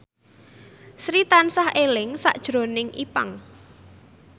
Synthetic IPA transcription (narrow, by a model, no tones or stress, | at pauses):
sɾit̪ansahelɪŋsa̰ʔd̥ʒ̥ɾo̤nɪŋʔipa̰ŋ